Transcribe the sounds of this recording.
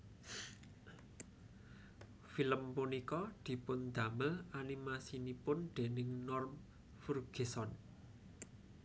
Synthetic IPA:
filəmpunikɔd̪̥i̤pʊnd̪ä̤məlanimasinipʊnɖ̪̥e̤nɪŋnɔrm | furɡ̥e̤sɔn

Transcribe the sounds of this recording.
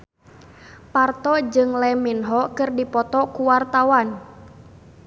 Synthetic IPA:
part̪ɔd͡ʒɨŋlɛminɦɔkɨrdipɔt̪ɔkuwart̪awan

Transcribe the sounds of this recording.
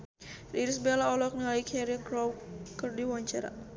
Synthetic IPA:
ɾiɾisbelaɔlɔk̚naaikʰɛɾikɾɔwkərdiwaɲt͡ʃaɾa̰

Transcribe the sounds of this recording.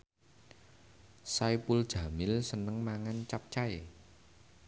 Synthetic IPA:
sajpuld̥ʒ̥ä̤mɪlsənəŋmaŋant͡ʃap̚t͡ʃaj

